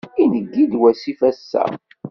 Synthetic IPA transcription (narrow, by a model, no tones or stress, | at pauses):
inəɡːid̪wæsifæsːæ̰